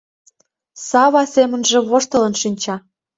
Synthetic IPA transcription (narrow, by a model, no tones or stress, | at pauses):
sɑβɑsemə̆nʒĕβoʃt̪ə̆lə̆nʃinʲt͡ɕɑ